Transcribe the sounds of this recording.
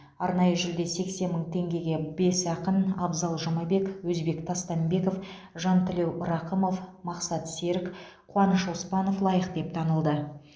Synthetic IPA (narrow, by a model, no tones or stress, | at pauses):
ɑɾnɑjəʒɪld̪e̞se̞kse̞nməɴt̪ʰe̞ŋɡʲe̞ɡʲe̞be̞sɑqənɑbzɑlˠʒomɑbe̞kwɵzbe̞kt̪ʰɑst̪ɑnbe̞ko̞f | ʒɑnt̪ʰɪle̞wʔʊɾɑqəmo̞fmɑqsɑt̪se̞ɾɪk | qʰʊɑnəʃospɑno̞flˠɑjəqd̪e̞p̚t̪ʰɑnəlˠd̪ə